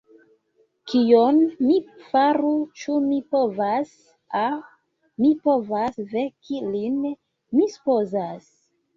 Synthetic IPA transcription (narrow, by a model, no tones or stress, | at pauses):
kijonmifaɾut͡ʃumipovas | a | mipo̞vasvekilin | misu̥pozas